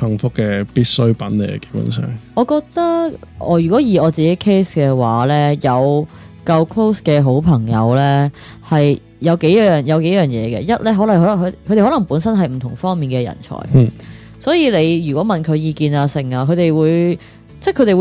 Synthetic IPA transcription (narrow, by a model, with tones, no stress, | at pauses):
hɐ˨˩ŋfʊ˥kːɛː˧piː˥t̚sɵ˥ɥpɐ˨˥nlḛ˨˩˨ke˧˥jpʊ̰˨˥˦nsœ̰ː˨˩ŋɔː˨˧kɔː˧k̚t̪ɐ˥kɔ̰ː˨˧jyː˨˩kʷɔː˨˥jiː˨ɔː˨˧t͡siː˨ke˨˥jkʰe˥jskɛː˧waː˨˥lɛː˥jɐ˨w | kɐ˧wkʰlo˥wskɛː˧ɦo˨˥wpʰɐ˨˩ŋjɐ̰˨˧wlɛ˥ | hɐ˨j | jɐ˨˧wke˨˥jjœː˨˩ŋjɐ˨˧wke˨˥jœː˨˩ŋjɛː˨˧kɛ̰ː˧jɐ˥t̚lɛː˥ɦɔː˨˥lɐ˨ŋɦɔ˨˥˨ɦkʰt̪e˨˩hɔ˨˥lɐ˨˩ŋpuː˨˥nsɐ˥nɦɐ˨jm̩˨˩t̪ʰʊ˨˩ŋfɔː˥ŋmiː˨nkɛː˧jɐ̰˨˩nt͡ʃʰɔ̰ː˨˩j | sɔː˨˥jiː˨˧le˨˧jjyː˨˩kʷwɔː˨˥mɐ˨nkʰɵ˨˧ɥjiː˧kiː˨˧naː˧sɪ˨˩ŋaː˧kʰɵ˨˧t̪e˨jwuː˨˧j | t͡sɛ˥kʰɵ˨˧˥t̪e˨wu˨˧